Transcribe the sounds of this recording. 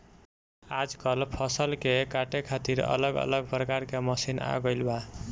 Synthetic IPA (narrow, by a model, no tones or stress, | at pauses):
ad͡zkʌlpʰʌsʌlkekaʈekʰat̪iɾʌ̰lʌɡʌ̰lʌɡprʌkaɾkamʌsina̰ɡʌjlba